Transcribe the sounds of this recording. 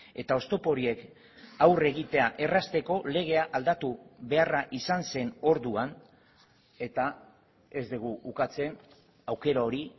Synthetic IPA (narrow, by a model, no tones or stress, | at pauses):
e̞t̪ao̞st̪o̞po̞ɾie̞k | awre̞ɣit̪e̞aʔe̞rast̪e̞ko̞le̞ɣ̞e̞aʔald̪at̪uβe̞araʔisanse̞no̞ɾðuan | e̞t̪a | e̞zd̪eɣ̞uukat͡se̞n | awke̞ɾao̞ɾi